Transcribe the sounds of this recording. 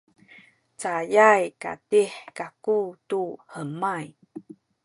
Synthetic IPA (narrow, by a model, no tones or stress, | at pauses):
t͡sajajka̰tiħkakutuhəmaj